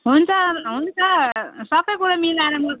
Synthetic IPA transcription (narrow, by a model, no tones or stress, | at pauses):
ɦunt͡sʰʌɦunt͡sʰʌsʌbʌjkuɾamilanamʌ